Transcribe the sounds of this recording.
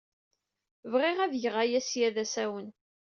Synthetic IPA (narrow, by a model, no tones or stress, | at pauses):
vʁɪʁæðjəʁajæsjæðæsæwən